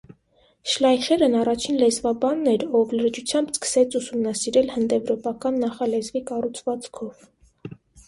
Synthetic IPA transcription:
ʃlɑjχɛɾənɑrɑt͡ʃʰinlɛzvɑbɑnːɛɾɔvləɾd͡ʒut͡sʰjɑmbskə̥sɛt͡sʰusumnɑsiɾɛlhənd̪ɛvɾɔpɑkɑnːɑχɑlɛzvikɑrut͡sʰvɑt͡skʰɔv

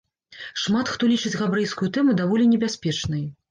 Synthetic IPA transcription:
ʂmat̪xt̪ɔlʲit͡ʂɨd͡zʲɣabɾɨjskujut̪ɛmud̪avɔlʲinʲɛbʲasʲpʲɛt͡ʂnɨj

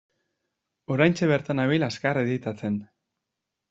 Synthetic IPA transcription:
o̞ɾajnt͡ʃeβeɾt̪anaβilaskareðit̪at͡se̞n

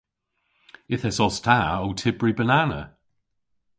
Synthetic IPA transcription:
ɪθɛsɔstʰaowtʰɪbɹibənanə̰

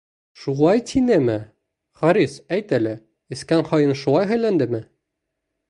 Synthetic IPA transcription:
ʃulˠɑjt̪ʰinæmɘ | χɒɾisæjt̪ælɘ | ɘ̆skænχɒjɤnʃulˠɑjɦæjlænd̪ɘmɘ

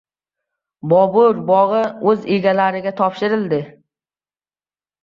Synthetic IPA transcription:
bɒbʊɾbɒʁɨɵzeɡʲalaɾɪɡʲat̪ʰɒpʃɪɾɪld̪ɪ

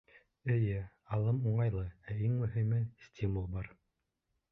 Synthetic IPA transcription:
ɘ̆jɘ | ɑlˠɤmuɴɑjlˠɤæiŋmɵ̆ɦɘ̆mɘnsʲtʲʰimulˠbɑɾ

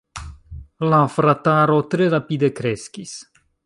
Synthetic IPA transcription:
lafɾat̪aɾot̪ɾeɾapid̪ekɾɛskʲis

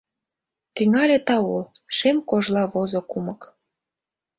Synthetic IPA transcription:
t̪iŋɑlʲet̪ɑolʃemkoʒlɑβozokumɤk

